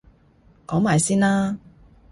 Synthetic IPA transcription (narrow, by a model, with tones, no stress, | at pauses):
kɔː˨˥ŋmaː˨˩jsiː˥nlaː˥